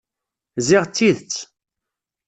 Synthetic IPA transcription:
ziʁt͡sːiðt͡sː

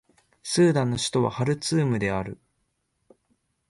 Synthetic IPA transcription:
sɨːd̪ãnːo̞ɕi̥t̪o̞βa̰haɾɯ̟t͡sɨːmɯ̟d̪e̞aɾɯ̟

